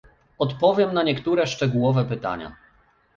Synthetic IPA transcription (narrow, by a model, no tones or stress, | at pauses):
ɔt̪pɔvʲjɛmnaɲɛkt̪uɾɛʂt͡ʂɛɡuwɔvɛpɘt̪a̰ɲa̰